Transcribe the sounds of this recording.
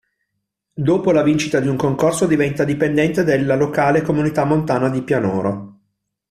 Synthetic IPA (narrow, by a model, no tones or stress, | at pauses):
d̪oːpolavint͡ʃit̪ad̪iuŋkoŋkorsod̪ivɛnt̪ad̪ipend̪ɛnt̪ed̪elːalokaːlekomunit̪amːont̪aːnad̪ipjanɔːɾo